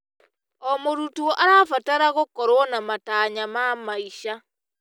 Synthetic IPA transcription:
ɔmoɾutuɔʔaɾaːfataɾaɣokɔɾwɔnamataɲamamaiʃa

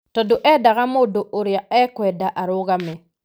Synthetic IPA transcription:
tɔdoʔɛdaɣamodoʔoɾijaɛkɔɛdaʔaɾoɡamɛ

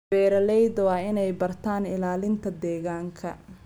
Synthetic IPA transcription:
b̥ɛːɾɐlɛjd̪wɑːɪnɛjbɐrt̪ʰaːnɪlaːlɪnt̪ʰɐd̪ɛːɣaːŋkʰɐ̰

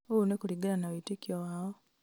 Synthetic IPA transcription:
ounekuliɡaɾanawitikjowaːo

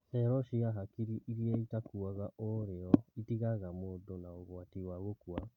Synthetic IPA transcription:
hɛɾɔʃiaɦakiɾiʔiɾieitakuaɣaʔoɾeɔitiɣaɣamodonaoɣwatiwaɣokua

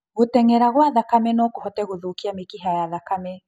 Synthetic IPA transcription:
ɣotɛŋɛɾaɣwaðakamɛnɔkohɔtɛɣoðukiamikiɦajaðakamɛ

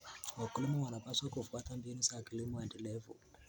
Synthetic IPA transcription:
wakulimɔwanapaswakufuatambinusakilimɔɛndɛlɛvṵ

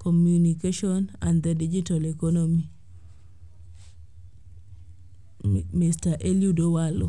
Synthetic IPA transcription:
kʰɔmjunikeʃɔnand̪ɛdid͡ʒitalɛkɔnomi | mistaʔeljudowalo̰

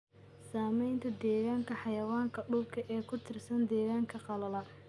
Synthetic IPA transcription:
saːmɛjnt̪ʰɐd̪ɛːɣaːŋkʰɐħɑjɐwaːŋkʰɐɖʊbkʰɐʔɛːkʰʊt̪ʰɪrsɐnd̪ɛːɣaːŋkʰɐqɑlɐlɐ

